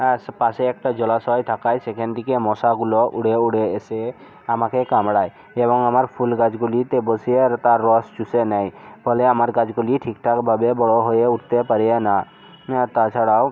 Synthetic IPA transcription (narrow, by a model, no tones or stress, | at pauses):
spaseek̚ʈad͡ʒɔlasɔjʈ̪ʰakajsekʰɛnd̪ikemɔsaɡuloʔuɽeuɽeese | amakekamɽaj | ebɔŋamaɾpʰulɡad͡ʒɡulit̪ebɔsieɾt̪aɾːɔst͡ʃusenajpʰɔleamaɾɡad͡ʒɡuliʈʰikʈʰakbʱabebɔɽɔɦojeuʈt̪epaɾiana | t̪at͡ʃʰaɽaw